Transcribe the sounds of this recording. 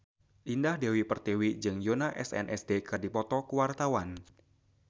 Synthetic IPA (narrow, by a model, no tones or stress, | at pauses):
ʔindahdewipərt̪ewid͡ʒɨŋjonaʔɛ̰sɛ̰nʔɛ̰sdekɨrdipɔt̪ɔkuwart̪awan